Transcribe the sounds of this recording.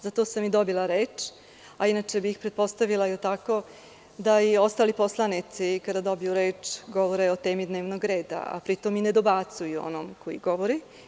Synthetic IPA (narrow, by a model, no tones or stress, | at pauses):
zat̪o̞samid̪o̞bilˠaɾeːt͡ʂ | ainat͡ʃebiːxpɾet̪̚po̞st̪aʋilajot̪ako̞ | d̪aio̞st̪aːlipo̞slˠanit̪sikad̪ad̪o̞bijuɾe̞ːt͡ʂɡo̞ʋoɾeot̪e̞ːmid̪neːʋnoɡɾe̞ːd̪a̰a̰pɾit̪o̞mined̪o̞bat̪sujuo̞̰no̰ːmkojiɡo̞ʋoɾi